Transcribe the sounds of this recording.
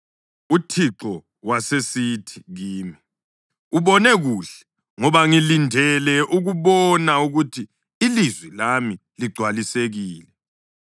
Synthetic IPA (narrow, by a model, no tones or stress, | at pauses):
utʰiǁɔ | wasesitʰi̥ɣiːmi | uβɔnɛɣuɬɛ̥ | ŋɔβaŋilindʱɛlɛʔuɣuβɔnauɣutʰiː | lizwilami | liɡ͡ǀʱwaliseɣiːlɛ